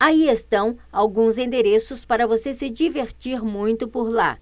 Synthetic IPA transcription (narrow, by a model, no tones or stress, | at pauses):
aiest̪ɐ̃w̃awɡũzẽnd̪eɾesʊspaɾɐvosesɪd͡ʒiveɾt͡ʃiɾmũj̃t̪ʊpoɾla̰